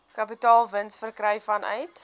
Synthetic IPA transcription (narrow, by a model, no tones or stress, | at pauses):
kɐpitɑːlˠvənsfərkrɛjfɐnœ̰ɥt